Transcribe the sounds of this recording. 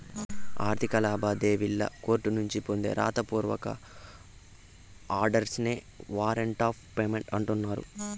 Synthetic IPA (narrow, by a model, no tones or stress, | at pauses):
a̰ːɾt̪ʰikɐlaːbaːd̪eːʋilːɐ̰ko̞ːɾʈunuɲt͡ʃipo̞nd̪e̞̰ːɾʔa̰ːt̪ɐpuːɾʋɐ̰kɐ̰ | aːɾɖɐɾsneː | ʋaːɾɐɳʈaːpʰpeːmeɳʈɐɳʈunːaːɾṵ